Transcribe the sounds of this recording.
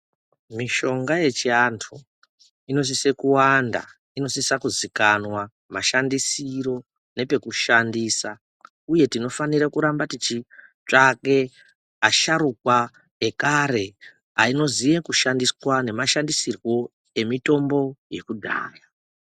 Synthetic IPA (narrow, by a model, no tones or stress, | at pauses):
miʃo̞ŋɡaje̞t͡ʃiantʰu | ino̞s̬ise̞kuwanda̰ | ino̞sisakuzikanwa | ma̰ʃandisiɾo̞ | ne̞pe̞kuʃandiːsa | uje̞tino̞faniɾakuɾambatit͡ʃit͡ʂake̞ | aʃaɾukwa | ekaɾe̞ | aino̞zije̞kuʃandiswane̞maʃandisirwo̞ | e̞mito̞mbo̞je̞kudʱa̰ːla